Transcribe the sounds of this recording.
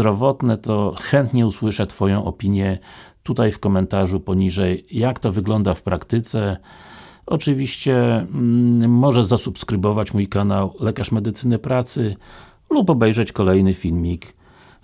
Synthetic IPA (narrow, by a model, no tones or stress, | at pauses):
ɾɔvɔt̪nɛt̪ɔxɛnt̪ɲɛuswɘʂɛt̪fɔjɔ̃w̃ʔɔ̰pʲiɲjɛt̪ut̪ajfkɔmɛnt̪aʐupɔɲiʐɛjːakt̪ɔvɘɡlɔnd̪afpɾakt̪ɘt̪sɛ | ɔt͡ʂɘvʲiɕt͡ɕɛ | mɔʐɛzasupskɾɘbɔvat͡ɕmujkanawlɛkaʂmɛd̪ɘt̪sɘnɘpɾat̪sɘ | lupɔbɛjʐɛt͡ɕkɔlɛjnɘfʲilmʲik